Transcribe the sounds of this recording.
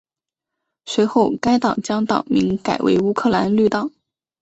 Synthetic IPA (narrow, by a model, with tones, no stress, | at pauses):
swe˧˥ɪxo˥˧ʊka˥ɪt̪ɑ˨˩ŋt͡ɕjɑ˥ŋt̪ɑ̰˨˩ʊmḭ˧˥ŋka˨˩ɪwḛ˧˥ɪu˥kʰɤ˥˩la˧˥nly˥˧t̪ɑ˨˩˦